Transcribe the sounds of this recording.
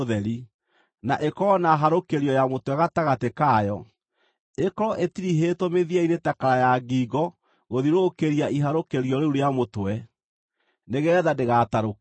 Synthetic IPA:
ðɛɾi | naʔekɔnaɦaɾokeɾiɔjamotwɛɣataɣatekaːjɔ | ekɔɾɔʔetiɾiɦetomeðiainetakaɾajaɡiːɡɔ | ɣoðiɾokeɾiaiɦaɾokeɾiɔɾeuɾeamotwɛ | neɣɛɛðadeɣataɾok

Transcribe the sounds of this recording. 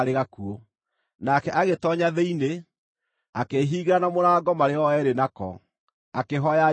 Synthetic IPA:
ɾeɣakuo | nakɛʔaɣetɔɲaðeine | akeɦiːɣeɾanamoɾaːɡɔmaɾeɔɛɾenakɔ̰ | akeɦɔja

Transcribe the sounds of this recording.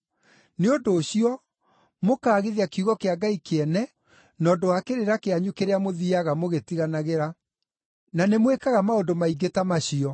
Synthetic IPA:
neondoːɕiɔ | mokaːɣeðiakiuɣɔkeaɡaikeɛnɛ | nɔːdowakeɾeɾakeaɲukeɾeamoðiaɣamoɣetiɣanaɣeɾa | nanemwekaɣamaodomaiɡetamaɕiɔ

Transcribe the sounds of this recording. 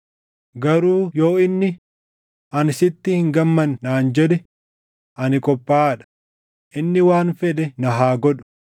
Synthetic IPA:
ɡɐɾuːjo̞ːɪnːɪ | ʔɐnsɪt̪ːɪhɪŋɡɐmːɐnːaːnd͡ʒɛᶑ̪ɛ | ʔɐnɪkʼɔpːaːᶑɐ̥ | ʔɪnːɪwaːnfɛᶑ̪ɛnɐɦaːɡɔᶑʊ̥

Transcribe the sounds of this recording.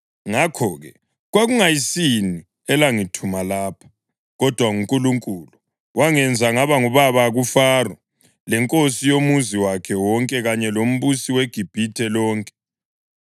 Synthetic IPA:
ŋakʰɔːɣɛ | ɣwaɣuŋajisini | ɛlaŋitʰumalaːpʰḁ | ɣɔd̥ʱwaŋuŋkʼuluŋkʼulu | waŋɛnd͡zʱaŋaβaŋuβaβaːɣufarɔ | lɛŋkʼosijomuziwakʰɛwɔŋkʼɛɣaɲɛlom̩βusiweɡ̥ʱib̥ʱitʰɛlɔːŋkʼɛ̥

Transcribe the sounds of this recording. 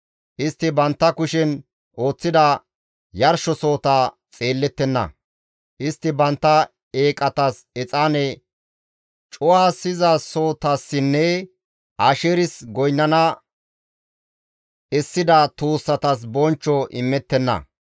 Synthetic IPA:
ʔɪst̪ːɪbɐnt̪ːɐkʊʃɛn | ʔo̞ːt͡sːɪd̪ɐ | jɐɾʃɔso̞ːt̪aː | t͡sʼeːlːɛt̪ːɛnːɐ̰ | ʔɪst̪ːɪbɐnt̪ːɐ | eːkʼɐt̪ɐs | ɛt͡sʼaːnɛ | t͡ʃʼʊwaːsɪzaso̞ːt̪asːɪnːɛ | ʔaːʃeːɾɪsɡɔjnːɐnɐ | ɛsːɪd̪ɐt̪uːsːɐt̪ɐs̬bɔnt͡ʃːɔʔɪ̰mːɛt̪ːɛnːɐ̰

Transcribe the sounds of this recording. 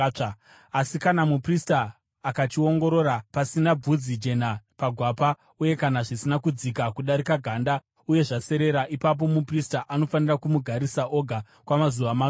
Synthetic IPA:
asikanamupristaː | kat͡ʃio̞ŋɡo̞ɾo̞ɾapasinab͡vud͡zid͡ʒe̞napaɡʱwapa | uje̞kanaʐisinakud͡zikakuɗaɾikaɡʱaːnda | uje̞ʐase̞ɾe̞ɾaʔipap̬o̞mupristaʔano̞fanirakumuɡʱaɾisaʔo̞ɡʱa | kwamazuʋama

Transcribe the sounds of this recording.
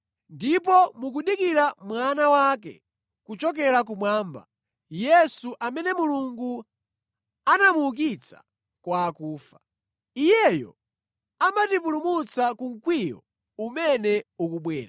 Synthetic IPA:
ndip̬ɔmuk̬uɗikiɾamwanawak̬ɛ̰ | kut͡ʃɔk̬ɛɾak̬umwaːmba̰ | jɛsuʔamɛnɛmuluŋɡu | anamuk̬it͡sʰa | kwaːkuːfa | ijɛjɔ̰ | amatipulumut͡sakuŋ̩kwijɔ̰ | umɛnɛukuɓwɛːɾaa

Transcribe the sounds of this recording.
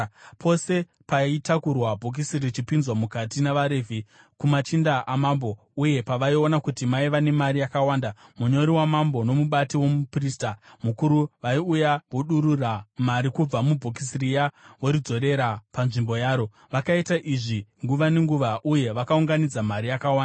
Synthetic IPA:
pʰo̞se̞ | paitakurwabʱok̬isirit͡ʃipinzwamukatinaʋaɾevʱi | kumat͡ʃindaʔamambo̞ | uje̞paʋaio̞nakutimaiʋane̞marijakawandamuɲo̞ɾiwamambo̞no̞muɓatiwo̞mupriːstamukuɾuʋaiujaʋoɗuɾuramaɾikub͡vamubʱokisirijawoɾid͡zo̞ɾe̞ɾapanʐimbo̞jaːɾo̞ | ʋakaitaʔiʐiŋɡuʋane̞ŋɡuʋaʔuje̞ʋakauŋɡanid͡zamaɾijakawaːndaa

